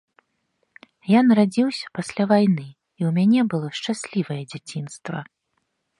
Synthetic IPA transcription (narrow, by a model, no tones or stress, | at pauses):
janɐɾad͡zʲiwsʲɐ̥pasʲlʲavajnɨ | iwmʲanʲɛbɨlˠɔʂt͡ʂasʲlʲivɐjɛd͡zʲat͡sʲinst̪vɐ̰